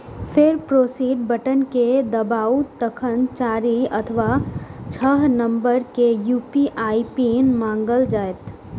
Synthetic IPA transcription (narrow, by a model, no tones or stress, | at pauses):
pʰɪɾpɾoːsiːɖbəʈənked̪əbaːut̪əkʰənt͡ʃaːɾiɐt̪ʰəʋat͡ʃʰəɦnə̃mbəɾkejuːpiʔaːipinmãːŋɡəld͡ʒaːet̪